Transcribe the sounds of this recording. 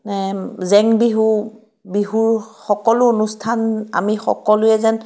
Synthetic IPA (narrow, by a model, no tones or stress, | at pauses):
nɛzɛŋbiɦu | biɦuɹxɔkɔlʊonustʰana̰mixɔ̰kɔlʊjɛzɛn